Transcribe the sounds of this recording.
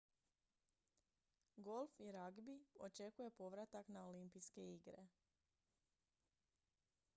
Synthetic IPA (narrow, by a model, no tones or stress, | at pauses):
ɡo̞lˠfiɾaɡbio̞t͡ʃe̞kuje̞po̞ʋɾat̪aknaolimpiske̞iɡɾe̞̰